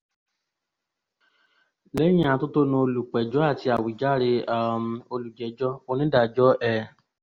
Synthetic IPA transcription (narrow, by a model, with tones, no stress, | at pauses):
le˦j̃ĩ˦ã˨˧to˦to˦nũ˧o˧lu˨k͡pɛ˨d͡ʒɔ˨˦a˦˨ti˧˦a˨wi˨d͡ʒa˦˨ɾe˧a˦˨mo˧lu˨d͡ʒɛ˨˦d͡ʒɔ˦o˧nĩ˦da˦˨d͡ʒɔ˦ʔɛ˦˨